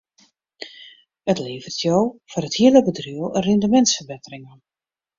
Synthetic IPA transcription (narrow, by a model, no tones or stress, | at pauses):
ətleːvərtʰjowfɔrəthiələbədryəlˠərɪndəmɛntsfərbɪtərɪŋə